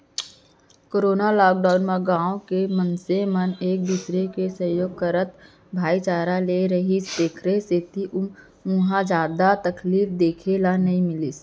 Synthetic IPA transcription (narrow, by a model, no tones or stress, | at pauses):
koːɾoːnalɔːk̚ɖaːʊnmeɡãːõkemənseməneːk̚d̪usɾekesəjoːɡ̚kəɾət̪ | bʱaːit͡ʃaːɾaleɾəɦisd̪eːkʰɾeset̪iʔʊm | ũɦãd͡ʒaːd̪at̪ɐkliːfd̪eːkʰelanɐɦĩmɪlis